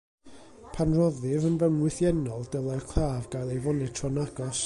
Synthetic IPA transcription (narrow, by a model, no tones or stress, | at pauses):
pʰanrɔðɨvənbəmwɪθjɛnɔlˠdəlˠarkʰl̥ˠaːvɡajlˠejvɔnɛ̥tʰrɔnaɡɔs